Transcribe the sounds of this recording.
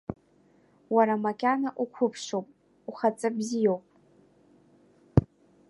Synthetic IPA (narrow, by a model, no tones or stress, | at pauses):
waɾamakʲʼanaʔukʷʰʊpʰʂowpʼ | uχat͡sʼɨbzijowpʼ